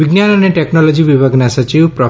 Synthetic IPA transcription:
iɡnjanɔneʈeknɔlɔd͡ʒibibʱaɡnasɔt͡ʃiwpɾɔ

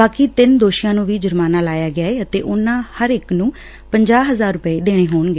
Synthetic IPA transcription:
baːkiːt̪ɪnd̪oːʃɪjãːnũːʋiːd͡ʒəɾmaːnaːlaːjaːɡɪaːɛːət̪ḛːʔʊnãːhəɾɪknũː | pəɲd͡ʒaːɦəzaːɾːʊpəeːd̪eːɽ̃eːɦoːɳɡeː

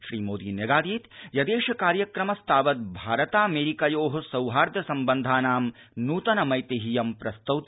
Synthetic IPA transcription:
ʃɾiːmoːd̪iːnɐɡaːd̪iːt̪jɐd̪eːʃɐkaːɾjɐkɾɐmɐst̪ʰaːʋɐt̪̚bʱaːɾɐt̪aːɐmeːɾikɐjoːɦɐ̆sɐwɦaːɾd̪ʱjɐsɐmbɐnd̪ʱaːnaːm | nuːt̪ɐnɐmɐjt̪eɦijɐmpɾɐst̪ɐwt̪

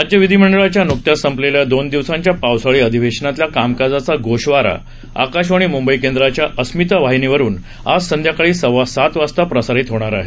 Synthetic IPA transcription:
ad͡ʑjəʋid̪ʱim̤əɳɖəɭat͡ɕjanuk̚t̪jasəmpleljad̪ond̪iʋsãɲt͡ɕjapawsaɭiːəd̪ʱiʋeɕnat̪ljakamkad͡zat͡saɡoɕʋaɾa̰ | a̰kaɕʋaɽ̃imumbəikend̪ɾat͡ɕjaʔəsmit̪aʋaɦiniʋəɾuːn | ad͡zsənd̪ʱjakaɭiːsəʋasat̪ʋast̪apɾəsaɾit̪ɦoɽ̃aɾaɦe

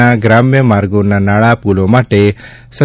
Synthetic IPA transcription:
aɡɾaːmjəmaːɾɡonanaːɭapulomaʈe | sə

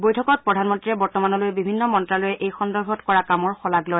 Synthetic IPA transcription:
bojtʰɔkɔt̚pɹɔdʱanmɔntɹiɹɛbɔɹtɔmanɔlojɛbibʱinːɔmɔntɹalojɛʔejxɔndɔɹbʱɔtkɔɹakamɔɹxɔlaɡlɔj

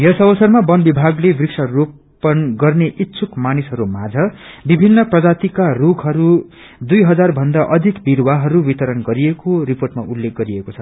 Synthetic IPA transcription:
jʌsʌbʌsʌrmabʌnbibʱaɡlebriksʌrop | ʌnɡʌrneʔitːsʰukmanisɦʌɾumad͡zʱʌbibʱinːʌprʌd͡zat̪ikarukʰɦʌɾu | d̪ujɦʌd͡zarbʱʌnd̪aʔʌd̪ʱikbiɾwaɦʌɾubit̪ʌɾʌnɡʌɾiekoriporʈmaʔulːek̚ɡʌɾiekot͡sʰʌ

